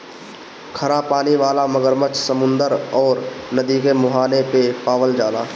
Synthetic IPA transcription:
kʰəɾapaːniʋaːlaməɡəɾmət͡ʃsəmʊ̃nd̪əɾɔːɾnəd̪iːkemʊɦaːnepepaːʋəld͡ʒaːlaː

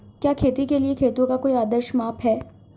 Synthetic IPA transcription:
kjaːkʰeːt̪ikeliekʰeːt̪õkakoːiaːd̪əɾʃmaːpʰɦɛː

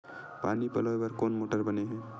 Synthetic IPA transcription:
paːnipɐlɔebɐɾkoːnmoːʈəɾbɐneɦɛ̃ː

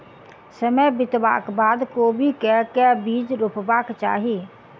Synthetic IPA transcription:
səməjbɪt̪ba̰ːkbaːd̪koːbʱikɛkɛbiːd͡ʒɾʊpbaːkt͡ʃa̰ːɦiː

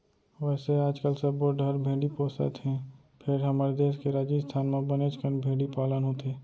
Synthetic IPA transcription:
ʋɛːseaːd͡ʒkəlsəboɖʱəɾbʱẽːɖipoːsə̰t̪ɦɛ̃ | pʰɪɾɦəməɾd̪eːskeɾaːd͡ʒist̪ʰaːnmẽbənet͡ʃkənbʱẽːɖipaːlənɦot̪eː

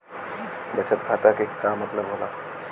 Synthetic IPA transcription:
bət͡ʃʰət̪kʰaːt̪akekːamət̪ləbɦola̰

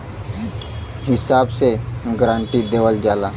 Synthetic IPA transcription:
hisabseɡɾãɳʈ̪iːd̪eʋəld͡zala

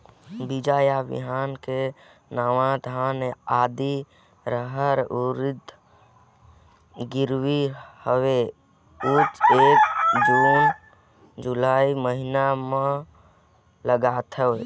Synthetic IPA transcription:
bid͡ʒajabḭɦanke | nawãd̪ʱaːnaːd̪i | ɾəɦəɾuɾid̪ | ɡiɾwihəwe | ut͡ʃekd͡ʒun | d͡ʒulaiməɦiname | ləɡat̪ʰə

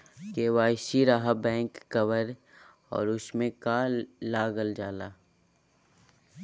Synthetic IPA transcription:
keːʋaːʃiɾaːɦabɛ̃ːŋkːɐʋəɾ | ɔ̰ːɾʊsmẽkaːlːaːɡəld͡ʒaːlaː

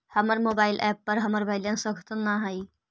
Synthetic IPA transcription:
həməɾmoːbaːɪlʔɛpːəɾɦəməɾbʱaɪljãnsəɡʱət̪ənːaɦai

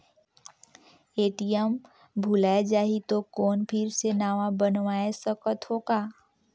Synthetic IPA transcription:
eːʈijəm | bʱulaːed͡ʒaːɦit̪okɔːnpʰɪɾsenaːʋabənʋaːesəkət̪hoːɡaː

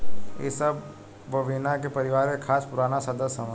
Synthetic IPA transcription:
ḛsɐb | ʋɐʋɪnakepɐɾɪʋaːɾẽkʰaːspʊɾaːnasɐd̪əsːɐmə

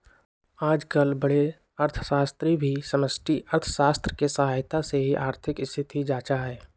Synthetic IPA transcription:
aːd͡ʒkəlbəɽe | ɐɾt̪ʰə̥ʃaːst̪ɾibʱisəməsʈʰiʔəɾt̪ʰəʃaːst̪ɾəkesəɦaːjt̪aseɦiʔaːɾt̪ʰɪkɪst̪ʰɪt̪ʰid͡ʒaːt͡ʃaɦɛː

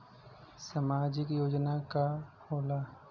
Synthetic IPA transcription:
samaːd͡ʒɪkjoːd͡ʒnakahoːlaː

